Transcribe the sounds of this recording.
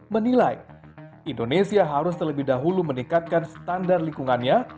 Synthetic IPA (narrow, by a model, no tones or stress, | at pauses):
mənilaj | indonesiaɦaɾʊst̪ərləbɪhdaɦulumənikat̪̚kansə̥t̪andarliŋkuŋanɲa